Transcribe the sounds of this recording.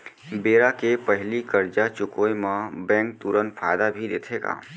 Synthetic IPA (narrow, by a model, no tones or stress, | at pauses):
beːɾakepəɦlikəɾd͡ʒat͡ʃʊkoːjmãbɛ̃ːŋk̚t̪uɾənpʰaːd̪abʱid̪eːt̪ʰeːɡa̰ː